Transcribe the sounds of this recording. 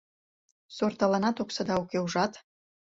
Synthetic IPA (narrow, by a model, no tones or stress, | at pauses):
sort̪ɑlɑnɑt̪oksɑd̪ɑukeuʒɑt̪